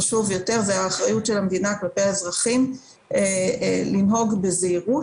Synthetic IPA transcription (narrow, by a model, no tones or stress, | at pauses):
aʃuvjo̞te̞ʁzeaːχʁajutʃe̞lamd̪inaklapeazʁaχim | elinɦo̞ɡbe̞zeiʁu